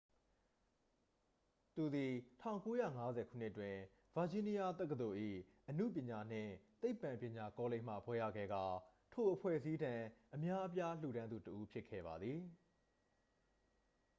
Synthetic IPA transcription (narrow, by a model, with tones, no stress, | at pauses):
t̪u˨d̪i˨tʰã̰˦˨ʊ̃ko˦jä̰˦˨ŋa˦zɛ˨kʰṵ˦˨n̥ɪ˦ʔtːwɪ̃˨ | v̥a˨d͡ʑĩ˦ni˦ja˦t̪ɛ˦kːə˨t̪o˨ʔḭ˦˨ʔənṵ˦˨p̬jɪ̃˨ɲa˨n̥ɪ̰̃˦˨t̪e˦ɪpːã˨mpjɪ̃˨ɲa˨kɔ˦lẽ˦˨m̥ä̰˦˨pʰwɛ˦jä̰˦˨ɡɛ̰˦˨ɡa˨ | tʰo˨ʔəpʰwɛ̰˦˨əzi˦dã˨ʔəmja˦ʔəp̬ja˦l̥ṵ˨ɾã˦nd̪u˨təʔu˦pʰjɪ˦kʰːɛ̰˦˨ba˨d̪ði˨